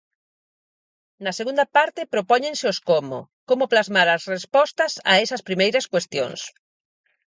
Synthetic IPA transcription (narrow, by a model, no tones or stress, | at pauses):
nɐseɣũnd̪ɐpaɾt̪ɪpɾopɔɲeŋsɪʊskomʊ̰komʊplazmaɾɐsrespɔst̪ɐsa̰ɛsɐspɾimejɾɐskwest̪jo̰ŋs